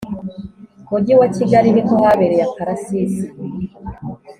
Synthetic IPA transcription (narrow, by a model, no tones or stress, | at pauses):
koɟiwaciɡaɾiɾikohaβeɾejapaɾasisi